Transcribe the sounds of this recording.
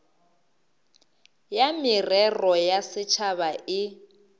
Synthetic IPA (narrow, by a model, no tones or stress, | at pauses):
jamɪrɛrɔjasɪt͡ʃʰaβaɪ